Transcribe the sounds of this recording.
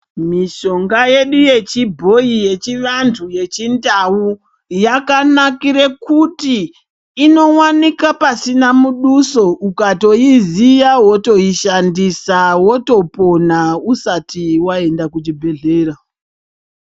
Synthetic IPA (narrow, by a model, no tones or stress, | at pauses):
miʃo̞ŋɡaje̞ɗuje̞t͡ʃibʱo̞ije̞t͡ʃiʋantʰuje̞t͡ʃindau | jakanakiɾe̞kutiː | no̞wanikapasinamuɗuso̞ʔukato̞izijawo̞to̞iʃandisawo̞to̞po̞nausatiwae̞ndakut͡ʃibʱe̞ɮe̞ːɾa